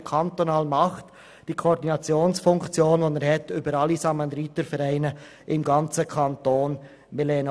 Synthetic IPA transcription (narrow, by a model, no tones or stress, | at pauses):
kʰɑnt̪onɑːlmɑχt | d̥iːkʰoɾdinɑt͡sjoːnsfʊŋkt͡sjoːnʋonɛɾhɛtybəɾɑlisɑmɑnd̪ɾitəɾfɛɾæɪnə | ʔɪmɡɑnt͡səkʰɑntoːn | melɛːn